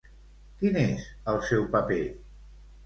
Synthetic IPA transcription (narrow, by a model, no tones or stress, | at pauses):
kinezəlˠsɛwpəpe